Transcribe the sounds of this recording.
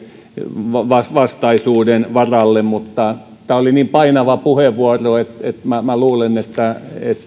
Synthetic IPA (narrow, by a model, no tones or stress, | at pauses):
ʋɑʋɑsʋɑst̪ɑisuːdenʋɑrɑlːemmut̪ːɑ | t̪æːoliniːmpɑinɑʋɑpuheʋʋuɑroet̪et̪mæmæluːlenet̪ːæet̪